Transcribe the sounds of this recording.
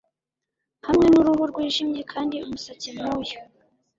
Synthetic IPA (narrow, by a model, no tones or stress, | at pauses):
hamŋe̞nuɾuɦuɾɡwiːʒimɲekʰaːndiumusat͡simuju